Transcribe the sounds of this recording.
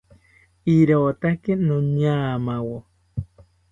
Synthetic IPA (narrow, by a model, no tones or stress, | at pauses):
iɾoːt̪akenoɲaːmawo